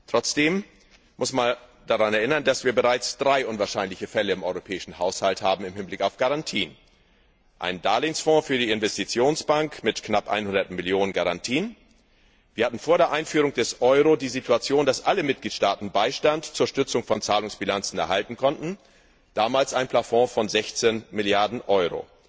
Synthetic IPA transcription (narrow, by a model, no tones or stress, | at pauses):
tʁ̥ɔt͡sd̥eːm | mʊsman | d̥aʁanɛɐʔɪnɐndasv̥iːɐbəʁaɪt͡sd̥ʁaɪʔʊnvaːɐʃaɪnlɪçəfɛləɪmʔɔʏʁopʰɛːɪʃn̩haʊshalthaːbm̩ɪmhɪnblɪkaʊfɡ̥aʁantʰiːən | ʔa̰ɪnndaːlɪːnsfɔ̃ːfyːɐdiːɪnvɛstit͡sjoːnsb̥aŋkmɪtknapʔa̰ɪnhʊndɐtmɪljoːnənɡaʁantʰiːən | v̥iːɐhatn̩foːɐɾeːɐʔaɪnfyːʁʊŋd̥ɛsʔɔʏʁodiːzitʰuat͡sjoːndasʔaləmɪt̚ɡ̥liːtʃtaːtn̩baɪʃtantt͡suːɐʃtʏt͡sʊŋfɔnt͡saːlʊŋsb̥ilant͡sn̩ɛɐɦaltn̩kʰɔntn̩ | d̥aːmaːlsʔaɪnpʰl̥afɔ̃fɔnzɛçt͡senmɪljaɐdn̩ʔɔʏʁo̰ː